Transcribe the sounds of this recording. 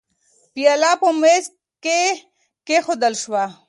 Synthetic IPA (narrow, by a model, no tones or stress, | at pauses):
pijalapomes | ke | kexod̪əlʃwa